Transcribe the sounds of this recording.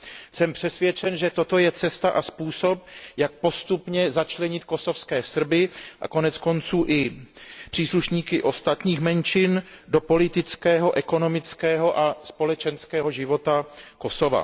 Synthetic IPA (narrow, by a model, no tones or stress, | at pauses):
sɛmpr̝̥ɛsvjɛt͡ʃɛnʒɛt̪o̞t̪o̞jɛt͡sɛst̪aʔaspuːso̞p̚jak̚po̞st̪upɲɛzat͡ʃlɛɲɪt̪̚ko̞so̞fskɛːsr̩bɪʔa̰ko̞nɛt͡sko̞nt͡suːʔɪpr̝̥iːsluʃɲiːkɪʔo̞st̪at̪ɲiːxmɛnt͡ʃɪndo̞po̞lɪt̪ɪt͡skɛːɦo̞ʔɛko̞no̞mɪt͡skɛːɦo̞ʔaspo̞lɛt͡ʃɛnskɛːɦo̞ʒɪvo̞t̪ako̞so̞va̰